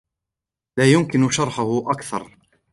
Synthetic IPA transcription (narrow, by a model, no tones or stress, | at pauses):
laːjʊmkɪnʊʃɑɾˤħʊhʊʔakθɑ̰ɾˤ